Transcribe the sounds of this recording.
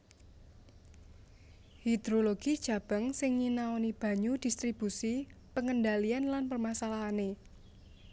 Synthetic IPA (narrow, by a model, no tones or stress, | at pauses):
hid̪̥ɾoloɡ̥id̥ʒ̥a̤b̥ə̤ŋsɪŋɲinaonib̥a̤ɲud̥ist̪ɾib̥usipəŋəndalianlanpərmasalaɦane